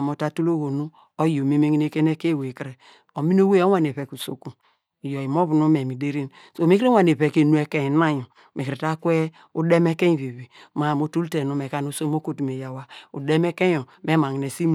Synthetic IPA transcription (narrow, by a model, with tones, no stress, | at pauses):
m˨o˨ta˨tu˦lo˦ɣo˨nu˦ | o˦jo˨mi˦me˦ŋi˦ne˦ke˦ne˦ke˦˨wkɾe˨ | o˨mi˦n˦o˦we˦o˦a˦˨n˨e˨βɛ˨ku˨so̰˨ku˨ | jo˨i˨mo˦βu˨nu˦mɛ˨mi˨de˦ɾi˦n | so˨mi˦ke˦wa˨n˨e˨βɛ˨ke˨nu˦ɛ˦ke˦˨˦na˦jo˨ | me˨kɾi˨ta˦kʷɛ˦ | u˦de˦mɛ˦ke˦˨βe˨βi˨ma˨mo˦tu˦lte˨nu˨me˨ka˨nu˦so˦m˦o˦ko˦tu˨me˨ja˨wa˨u˨de˦mɛ˦ke˦jo˨me˦ma˨ŋi˨ne˨si˦m